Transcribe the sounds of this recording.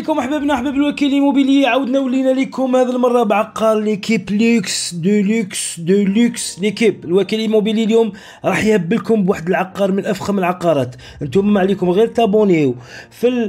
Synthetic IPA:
ikʊmʔəħbæbnæħbæbəlwækilimubiliʕawəd̪næwəlːinælikʊmhæd̪əlmɑrˤːɑbʕɑqːɑɾˤlikibluksd̪uluksd̪əlukslikibəlwækililmubililjum | ɾˤɑħjhəbːəlkʊmbwaħd̪əlʕɑqːɑɾˤmənʔæfxæməlʕɑqːɑɾˤɑt̪ | ʔənt̪umːaʕlikʊmɣiɾt̪ɑbuniwfil

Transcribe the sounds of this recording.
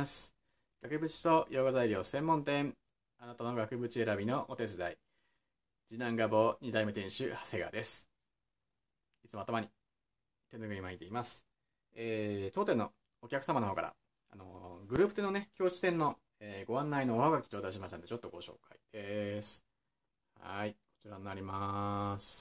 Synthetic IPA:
sɨ̥ | ɡ̥akɯ̟bɯ̟t͡ɕi̥t̪o̞jʔo̞ːɡazaiɾʲo̞ːsẽ̞mːõnt̪ẽ̞ɴ | anat̪ano̞ɡakɯ̟bɯ̟t͡ɕie̞ɾabʲino̞ʔot̪e̞t͡sɨd̪ai | d͡ʑinãŋɡabo̞ɲ̟id̪aimɯ̟t̪ẽ̞ɰ̃ɕɨhḁse̞ɡa̰d̪e̞sɨ̥ | it͡sɨmoat̪omaɲ̟i | t̪ẽ̞noɡɯ̟ɲimaɲit̪eimasɨ̥ | eːt̪o̞ːt̪ẽ̞nːo̞ | okʲakɯ̥samanohoːkaɾa̰ | ano̞ɡɯ̟ɾɯ̟ːpɯ̟t̪e̞no̞ne̞kʲo̞ːɕi̥t̪ẽ̞nːo̞ | eːɡo̞βãnːaino̞ːhaɡakʲi̥t͡ɕo̞ːt̪aɕimaɕit̪and̪et͡ɕo̞t̪ːo̞ɡo̞ɕo̞̰ːkaid̪̥e̞sɨ̥ | ha̰iko̞̥t͡ɕiɾanːaɾʲimasɨ̥

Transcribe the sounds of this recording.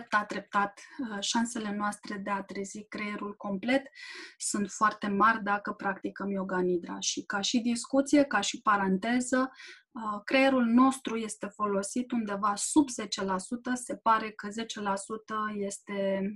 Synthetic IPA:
p̚t̪ad̪ɾe̞p̚t̪at̪ʃanse̞le̞noast̪ɾe̞d̪e̞at̪ɾezikɾeeɾulko̞mple̞t̪sunt̪foart̪e̞marʲd̪akəpɾakt̪ikəmjo̞ɡanid̪ɾa̰ʃikaʃid̪iskut̪sije̞kaʃipaɾant̪e̞zə | kɾejeɾulno̞st̪ɾuje̞st̪e̞fo̞lo̞sit̪und̪e̞vasubze̞t͡ʃe̞lasut̪əse̞paɾe̞kəze̞t͡ʃe̞lasut̪əje̞st̪e̞

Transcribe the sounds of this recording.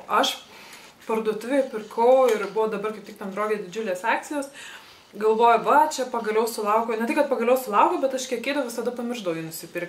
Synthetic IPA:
ɐʃ | pɐrd̪uːt̪ʲʊʋʲeːpʲɪrkʰɐʊɪɾbʊʋoːd̪ɐbɐrkɐɪpt̪ʲɪkt̪ɐɐnd̪ɾoːʋʲijɛd̪ʲɪd͡ʒʲʊlʲeːsɑːk̚t͡sʲɪjoːs | ɡɐlˠʋoːjʊʋɐt͡ʃʲɛpɐɡɐlʲɛʊsʊlˠɐʊkʲoːnʲɛt̪ʲɪkɐt̪pɐɡɐlʲɛʊsʊlˠɐʊkʲoːbʲɛt̪ɐʃkʲiɛkʲeːd̪ɐwʋʲɪsɐd̪ɐpɐmʲɪrʒd̪ɐʊjɛnʊsʲɪpʲɪrk

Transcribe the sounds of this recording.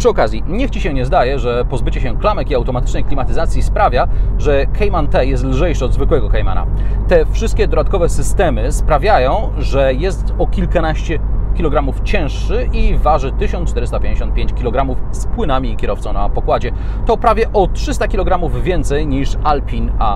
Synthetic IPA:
pʂɘɔkazʲjiɲɛxt͡ɕiɕɛ̃ɲɛzd̪ajɛʐɛpɔzbɘt͡ɕɛɕɛklamɛkiawt̪ɔmat̪ɘ̥t͡ʂnɛjklʲimat̪ɘzat̪sʲjispɾavʲjaʐɛkɛjmant̪ɛjɛst̪lʐɛjʂɘɔd̪zvɘkwɛɡɔkɛjma̰na̰t̪ɛfʂɘst̪̚kʲɛd̪ɔd̪at̪kɔvɛsɘst̪ɛmɘspɾavʲjajɔ̃w̃ | ʐɛjɛst̪ɔkʲilkanaɕt͡ɕɛkʲilɔɡɾamuft͡ɕɛ̃ʂʂɘivaʐɘt̪ɘɕɔ̃nt͡ʂt̪ɛɾɘst̪apʲjẽɲʲd͡ʑeɕɔnt̪̚pʲeɲt͡ɕkʲilɔɡɾamufspwɘnamʲiːkʲɛɾɔft̪sɔ̃w̃na̰pɔkwad͡ʑɛ | t̪ɔpɾavʲjɛʔɔtʂɘst̪akʲilɔɡɾamuvvʲjɛnt̪sɛjɲiʂalpʲina

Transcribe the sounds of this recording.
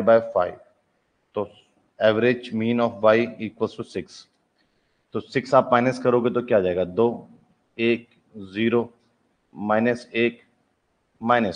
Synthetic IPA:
baːjfaːɪʋ | t̪oː | ɛːʋəɾɪd͡ʒmĩːnɔːfʋaːɪiːkʋəlʈusɪks | t̪oːsɪksaːpmaːɪnəskɐɾoːɡet̪okjaːd͡ʒaːeːɡaːd̪oː | eːk̚ | ziːɾoː | maːɪnəseːk | maːɪnəs

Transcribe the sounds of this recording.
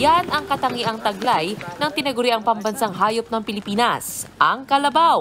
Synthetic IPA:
janɐŋkɐt̪ɐŋiʔɐŋt̪ɐɡlajnɐŋt̪ɪnɐɡʊɾiʔɐŋpɐmbɐnsaŋɦaːjop̚nɐŋpɪlɪpiːnɐsʔɐŋkɐlɐbaw

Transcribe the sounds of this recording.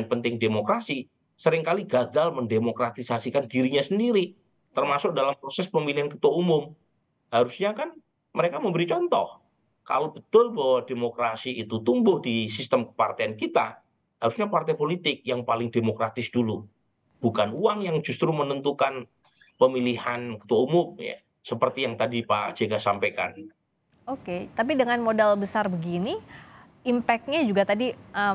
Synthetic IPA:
npənt̪ɪŋdemokɾasi | səɾɪŋkaliɡaɡalməndemokɾat̪isasikandiɾiɲasəndiɾi | t̪ərmasʊk̚dalampɾosɛspəmiliɦankət̪waumʊm | haɾusɲakan | məɾekaməmbəɾit͡ʃɔnt̪ɔ̰h | ka̰lowbət̪ʊlbawademokɾasiːt̪ut̪umbʊhdisist̪əmkə̥pa̰rt̪eankit̪a | haɾusɲapart̪ejpolit̪ɪk̚jaŋpalɪŋdemokɾat̪ɪsdulu | b̥ukanuaŋjaŋd͡ʒust̪ɾumənənt̪ukan | pəmilihankə̥t̪uaumʊmja̰ | səpərt̪ijaŋt̪adipa̰d͡ʒeɡasampeka̰n | oket̪ap̬idəŋanmodɛlbəsarbəɡini | impɛk̚t̪̚ɲad͡ʒuɡat̪adiʔə

